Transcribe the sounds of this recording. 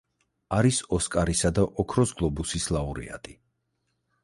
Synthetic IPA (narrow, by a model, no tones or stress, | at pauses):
aɾisɔskʼaɾisad̪aʔɔkʰɾɔsɡlˠɔbusislˠauɾḭa̰t̪ʼi